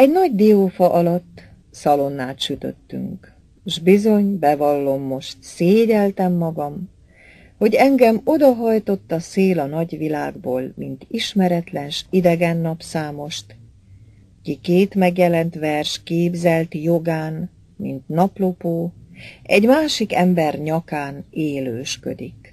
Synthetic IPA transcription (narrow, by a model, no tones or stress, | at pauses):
ɛɟnɒɟd̪iofɒʔɒlɒt̪ː | sɒlo̞nːaːt̪ʃyt̪ø̰t̪ːy̰ŋkː | ʒbizo̞ɲbɛvɒlːo̞mːo̞ʃt̪seːɟɛlt̪ɛmːɒɡɒm | ho̞ɟɛŋɡɛmo̞d̪ɒɦɒjt̪o̞t̪ːɒseːlɒnɒɟʋilaːɡboːlmint̪iʃmɛɾɛt̪lɛnʃid̪ɛɡɛnːɒpsaːmo̞ʃt̪ | kikeːt̪mɛɡjɛlɛnt̪ʋɛrʃkeːbzɛlt̪jo̞ɡaːn | mḭnt̪nɒplo̞poːɛɟmaːʃikɛmbɛrɲɒkaːneːløːʃkø̰d̪ik